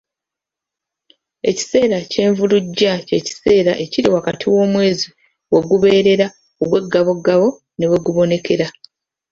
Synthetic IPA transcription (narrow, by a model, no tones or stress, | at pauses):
e̞̰ci̥se̞ːɾace̞ːɱvuluɟːace̞ːci̥se̞ːɾa̰ʔe̞ciɾiwakatʰiwo̞ːmwe̞ːzi | we̞ɡuβe̞ːɾe̞ɾa | oɡwe̞ɡːaβo̞ɡaβo̞ | ne̞we̞ɡuβo̞ne̞kʰe̞ɾa